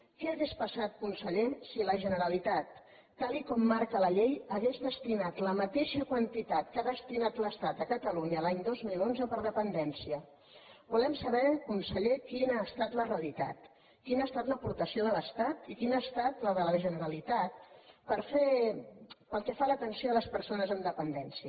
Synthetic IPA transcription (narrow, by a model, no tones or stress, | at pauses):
kɛːɣespəsat̪̚kunsəʎesiləʒənəɾəlit̪at̪ː | alikɔmːaɾkələʎejəɣezd̪əst̪inat̪ləmət̪eʃəkwənt̪it̪at̪kaðəst̪inat̪ləst̪at̪əkət̪əluɲəlaɲd̪ozmilonzəpəɾðəpənd̪ɛnsiə | bulɛmsəβɛkunsəʎekinaːst̪at̪ləreəlit̪a̰t̪ | kinaːst̪at̪ləpuɾt̪əsioðələst̪at̪ikinast̪at̪ləðələʒənəɾəlit̪at̪̚pəɾfe | pəlˠkɛfalət̪ənsioələspəɾsonəzənd̪əpənd̪ɛnsiə